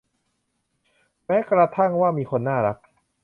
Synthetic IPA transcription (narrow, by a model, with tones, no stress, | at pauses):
mɛː˦˥kɾa˧t̪ʰa˥˩ŋwaː˥˩miː˧kʰo˧nːaː˥˩ɾa˦˥k̚